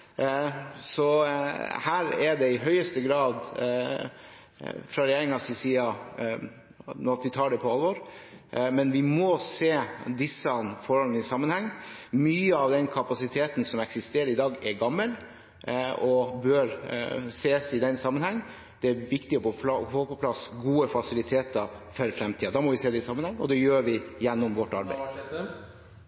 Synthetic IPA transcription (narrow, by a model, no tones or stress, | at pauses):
sɔ | hæːɾɛɖɛɪɦœʏəst̪əɡɾɑːd̪ | fɾɑɾɛjeːɾɪŋɑsɪsiːɑ | nɔt̪ʋɪt̪ʰɑːɖɛpʰɔɑlʋɔɾ | mɛnʋɪmɔseːd̪ɪsːəɑnfɔɾhɔlənɪsɑmːənhɛŋːmyːəɑʋd̪ɛnkʰɑpɑsɪt̪ʰeːt̪n̩sɔmɛksɪst̪eːɾəɾɪd̪ɑːɡɛɾɡɑmːəl | ɔbøɾseːsɪd̪ɛnsɑmːənhɛŋː | d̪̥ɛæɾʋɪkt̪ɪəpʰɔpɑhoːpɔpʰlɑsɡuːəfɑsɪlɪt̪ʰeːt̪əfœɾfɾɛmt̪ʰiːɑd̪ɑːmɔʋɪseːd̪ɛɪsɑmːənhɛŋːɔd̪ɛjøːɾʋɪjɛnːɔmʋɔʈːɑ̰ɾbæ̰ɪ